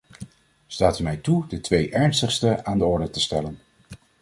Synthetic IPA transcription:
staːtəmɛjtudətʋejʔɛɹnstəχstəaːndəɔɹdətəstɛlən

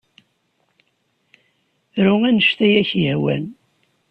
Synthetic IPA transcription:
ɾuænəʃt̪æjæçjəhwæ̰n

